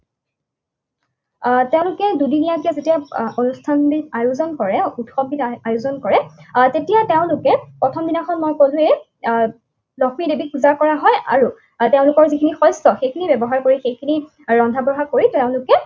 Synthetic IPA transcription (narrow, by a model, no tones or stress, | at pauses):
teʊ̃lʊkɛdudinijakɛzetijaonustʰanbiajuzɔnkɔɹɛutxɔbitajuzɔnkɔɹɛtetijateʊ̃lʊkɛpɹɔtʰɔmdinaxɔnmɔjkolʊ̃e | lɔxmidebikuzakɔɹaɦɔjʔa̰ɹu | teʊ̃lʊkɔɹzikʰinixɔjstɔxejkʰinibɛbɔɦaɹkoɹixejkʰini | ɹɔndʱabɹɔɦakoɹitɛʊ̃lʊkɛ